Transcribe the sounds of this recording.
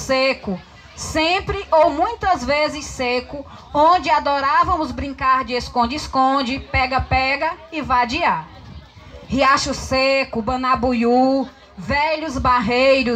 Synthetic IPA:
sekʊ | sẽpɾɪowmũj̃t̪ɐzvezɪsekʊ | õd͡ʒɪad̪ɔɾavɐ̃mʊzbɾĩŋkaɾd͡ʒɪeskõd͡ʒɪskõd͡ʒɪpɛɡɐpɛɡɐɪvad͡ʒia | hiaʃʊsekʊbɐ̃nabuju | vɛʎʊzbaɦejɾʊ

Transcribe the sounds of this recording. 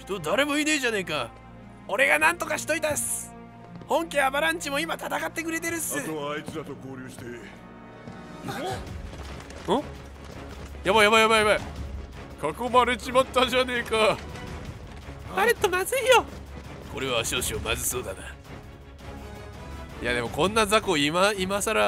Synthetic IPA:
ç̥t̪od̪aɾe̞mo̞ineʑane̞ka | o̞ɾe̞ɡanãnt̪o̞kaɕi̥t̪o̞it̪as | hõ̞ŋkʲeabaɾãɲ̟t͡ɕimo̞imat̪at̪akat̪ːekɯ̟ɾe̞t̪e̞ɾɯ̟saɨt̪oit͡sɨd̪at̪oko̞ːɾʲɨːɕi̥t̪e | õ | jabajabajabajbaj | kʰakomaɾet͡ɕimat̪ːad͡ʑane̞ːka | aɾet̪ːomazɨijo | ko̞ɾe̞βaːɕioːɕiomazɨso̞ːd̪ana | ja̰d̪e̞mo̞kõ̞nːazakoːimaimasaɾa

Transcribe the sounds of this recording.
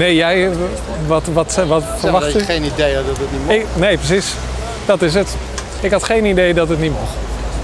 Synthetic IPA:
nejjɛj | ʋɔtʋɔtʋɔtfərʋatenidejɛdɔtətniɪknejprəsis | d̥ɔtɪs̬ət | ɪkɦɑtχejnidejdɔtətnitmox

